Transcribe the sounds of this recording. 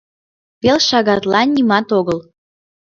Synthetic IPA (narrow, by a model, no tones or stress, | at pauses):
pelʃɑɣɑt̪lɑnʲimɑt̪oɣɤl